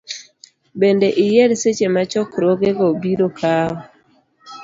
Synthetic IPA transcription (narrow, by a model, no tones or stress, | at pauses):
bendeʔɪjeɾset͡ʃemat͡ʃɔkɾoɡeɡobiɾokʰaɔ